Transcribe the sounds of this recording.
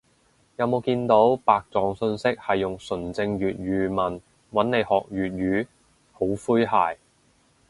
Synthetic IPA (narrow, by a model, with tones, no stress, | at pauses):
jɐ˨˧wmo˨˧wkiː˧nt̪o˨˥wpaː˨k̚t͡sɔː˨ŋsɵ˧nsɪ˥k̚hɐ˨jːʊ˨ŋsɵ˨˩nt͡sɪ˧ŋjyː˨t̚ɥyː˨˧mɐ˨˩n | wɐ˨˥nne˨˧jhɔː˨k̚ɥyː˨t̚ɥyː˨˥ | ho˨˥wfuː˥jɦaː˨j